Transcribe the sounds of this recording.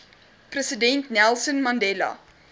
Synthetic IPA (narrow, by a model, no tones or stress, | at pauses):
prəsədɛntnælˠsənmɐndɛlɐ̰